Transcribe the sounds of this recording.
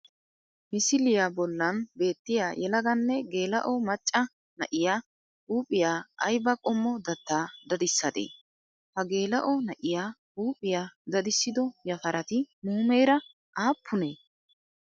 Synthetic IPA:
mɪsɪlɪjaːbɔlːɐnbe̞ːt̪ːɪjaːjɛlɐɡɐnːɛɡe̞ːlɐ̰ʔɔmɐt͡ʃʼːɐ | nɐ̰ʔɪjaː | uːpʼɪjaːɐ̰jbɐkʼɔmːɔd̪ɐt̪ːaːd̪ɐd̪ɪsːɐd̪ḛː | hɐɡe̞ːlɐʔɔnɐʔɪjaː | uːpʼɪjaːd̪ɐd̪ɪsːɪd̪ɔjɐfɐɾʔɐt̪ɪmuːme̞ːɾɐ | ʔaːpʰːʊneː

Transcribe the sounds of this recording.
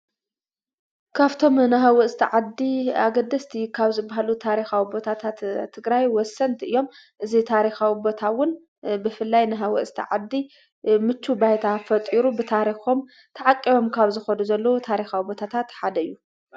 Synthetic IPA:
kʰaβt̪ʰo̞mnɨɦawɐʔst̪ʰiʕad̪ːiaɡɐd̪ːɐst̪ʰikʰaβzɨbːaɦalut̪ʰaɾixawibo̞t̪ʰat̪ʰat̪ʰːɨɡɾajwɔsːɐnt̪ʰʔɨjːo̞m | ʔɨzit̪ʰaɾixawibo̞t̪ʰawʊn | bɨfɨlːajnɨɦawɐ̰ʔst̪ʰḭʕad̪ːi | mɨt͡ʃːubajt̪ʰafɐt̪ʼiɾubɨt̪ʰaɾixo̞m | t̪ʰɐʕakʼːiβo̞mkʰaβzɨxɐnuzɐlːɐwut̪ʰaɾixawibo̞t̪ʰat̪ʰat̪ħad̪ɐɨjːu

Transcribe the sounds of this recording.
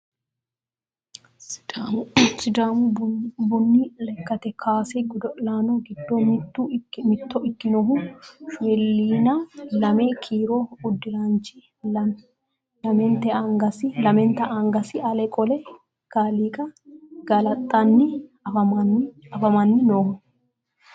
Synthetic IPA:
sɪd̪aːmʊbʊnːilɛkːɐt̪ɛkʰaːsɛɡd̪ɔlaːnɔɡɪd̪ːomt̪ːumɪt̪ːɔʔɪkːɪnɔɦufwɛlːiːnɐlɐmeːkʰiːɾoːʊd̪ːɪɾaːnt͡ʃɪ | lɐmɛnt̪ɛaŋɡɐsɪlɐmɛnt̪ɐʔɐŋɡɐsɪɐlɛkʼɔlɛ | ɡ̥aːliːkʼɐɡ̥ɐlɐt̪ʼːɐnːɪɐfɐmɐfɐmɐnːɪnoːhʊ

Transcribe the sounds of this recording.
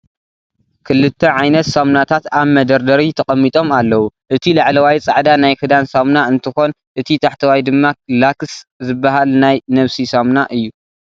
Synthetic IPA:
kʰɨlːɨt̪ʰːɐʕajnɐt̪samnat̪ʰat̪aβmɐd̪ɐɾd̪ɐɾit̪ʰɐkʼɐmːit̪ʼo̞malːɐwuʔɨt̪ʰilaʕlɐwajt͡sʼaʕd̪anajkɨd̪ansamnaɨnt̪ʰɨxo̞n | ʔɨt̪ʰit̪ʰaħt̪ʰɐwajd̪ɨmːalakszɨbːaɦalnajnɐβsisamnaʔɨjːu

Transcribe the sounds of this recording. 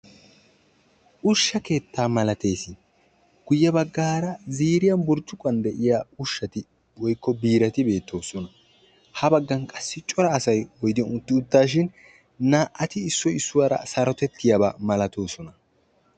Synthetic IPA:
ʔʊʃːɐke̞ːt̪ːaːmɐlɐt̪e̞ːsɪ | ɡ̥ʊjːɛbɐɡːaːɾɐziːɾɪjɐnbʊɾt͡ʃːʊkʼɐnd̪ɛʔɪjaʊʃːɐt̪ɪ | wɔjkʰːɔbiːɾɐt̪ɪbe̞ːt̪ʰːo̞ːsɔnɐ | hɐbɐɡːɐnkʼɐsːɪt͡ʃʼɔɾɐːsɐjwɔjd̪ɪjɔnʊt̪ːɪʊt̪ːaːʃ̬ɪn | naːʔɐt̪ɪɪsːɔɪsːʊwɐɾɐ̰sɐɾɔt̪ɛt̪ːɪjɐbɐmɐlɐt̪o̞ːsɔnɐ

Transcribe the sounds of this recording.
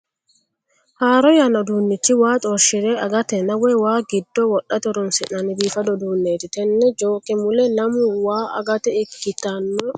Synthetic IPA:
haːɾɔjɐnɐd̪uːnːɪt͡ʃːɪwaːt̪ʼɔɾʃɪɾɛʔɐɡɐt̪ɛnɐwɛwaːɡɪd̪ːɔwɔɗɐt̪ɔɾʊnsɪnɐnɪbiːfɐd̪ɔd̪uːnːeːt̪ɪt̪ɛnːɛd͡ʒo̞ːkʼɪmʊlɛnɐmʊwaːɐ̰ɡɐt̪ɛɪkːɪt̪ɐnːɔ

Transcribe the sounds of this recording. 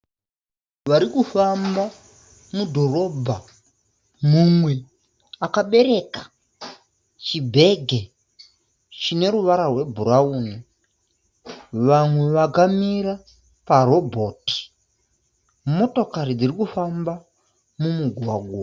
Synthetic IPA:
ʋaɾikufamba | mudʱo̞ro̞bʱa | mumwe̞ | akaɓe̞ɾe̞ːkḁ | t͡ʃibʱe̞ɡʱe | t͡ʃine̞ɾuʋaɾarwe̞bʱuɾauːni | ʋamwe̞ʋaɡamiɾa | paɾo̞bʱo̞ti̥ | mo̞to̞kaɾid͡zirikufamba | mumuɡʱwaɡʱwo

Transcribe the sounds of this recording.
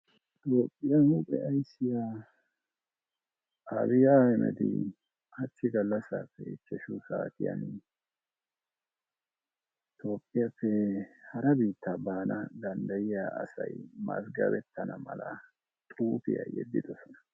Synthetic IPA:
t̪ʼo̞ːpʼːɪjahupʼɛɐjsːɪjaː | ɐbɪjaːhɛmɛ̰t̪ɪ̰ | hɐt͡ʃːɪɡɐlːɐsa̰ːfːɛt͡ʃːɛʃʊsaːt̪ɪja̰n | t̪ʰo̞ːpʼːɪjapːɛhɐɾɐbiːt̪ːabaːnʔɐd̪ɐnd̪ɐjɪjaːsɐjmɐsɡɐbɛt̪ːɐnɐmɐlɐ | t̪ʼuːpɪja̰jɛ̰d̪ːɪd̪ɔsɔnɐ̥

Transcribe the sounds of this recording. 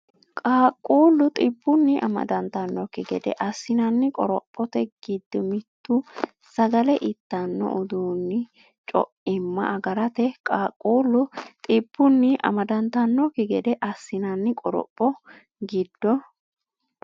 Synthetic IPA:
kʼaːkʼːuːlːʊt̪ʼɪbːʊnːɪʔɐ̰mɐ̰d̪ɐnt̪ɐnːɔkɪɡɛ̰d̪ɛ̰ʔɐsːɪnɐnːɪkʼɔɾɔpʼːɔt̪ɛɡ̥ɪd̪ːɔmɪt̪ːʊ | sɐɡɐlɛʔɪt̪ːɐnːɔ̰ʔʊd̪uːnːɪ | t͡ʃʼɔ̰ʔɪmːɐ̰ʔɐɡɐɾɐt̪ɛkʼaːkʼːuːlːʊt̪ʼɪb̥ːʊnːɪʔɐ̰mɐd̪ɐnt̪ɐnːɔkːɪɡɛd̪ɛʔɐsːɪnɐnːɪkʼɔɾɔ̰pʼːɔ | ɡɪd̪ːɔ

